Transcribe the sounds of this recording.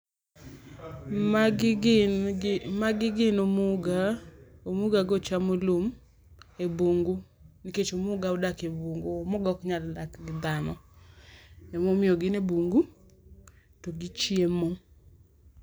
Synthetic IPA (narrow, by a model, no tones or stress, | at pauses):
maɡɪɡɪnomuɡaomuɡaɡɔt͡ʃamolom | eboŋɡu | niket͡ʃomʊɡaodakeboŋɡoomoɡɔkɲaldakɡɪd̪anɔ | ɛmomɪɔɡɪneboŋɡu | tɔɡit͡ʃjemo